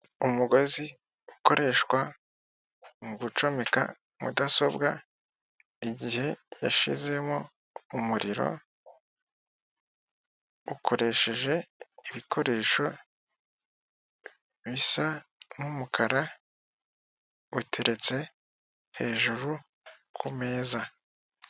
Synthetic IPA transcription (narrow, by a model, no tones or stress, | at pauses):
umuɡo̞zi | uko̞ɾʔe̞ʃwa | ŋɡut͡ʃo̞meka̰ | mṵdaso̞bɡa | iɟihe̞jaʃize̞mo | umuɾiɾo̞̰ | ukʰo̞ɾe̞ʃe̞ʒe̞iβikʰo̞ɾe̞ːʃo̞ | βisanumukʰaɾa | utʰe̞ɾe̞t͡se̞ | he̞ːʒuɾu | kʰume̞ːza